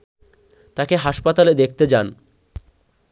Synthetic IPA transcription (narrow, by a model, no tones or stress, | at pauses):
t̪akeɦaʃpat̪aled̪ek̚ʰt̪ed͡ʑan